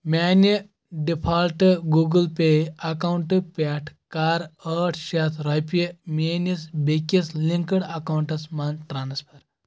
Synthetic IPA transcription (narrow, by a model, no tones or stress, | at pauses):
mʲani | ɖipʰaːlʈɨɡuɡəlpejɐkawuɳʈɨpʲaʈʰkaːɾəʈʰʃat̪ʰɾɐpemenisbekisliŋkəɽɐkawɳʈɐsmanʈɾaːnspʰɐɾ